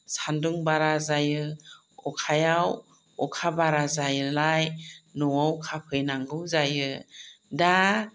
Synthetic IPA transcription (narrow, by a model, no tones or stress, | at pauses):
sanduŋbaɾazajɯ | ɔkʰajaw | ɔkʰabaɾazajɯlajnɔwawkʰapʰɯjnaŋɡɯwzajɯda